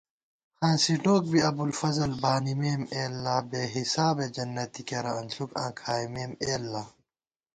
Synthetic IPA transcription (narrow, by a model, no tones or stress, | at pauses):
hãːsiʈoːk̚biɐbulfɐzɐlbaːnimeːmeːlːaːbeːɦisaːbed͡ʑɐnːɐt̪ikeɾɐɐnsukã̰ːkʰaːimeːmeːlːaː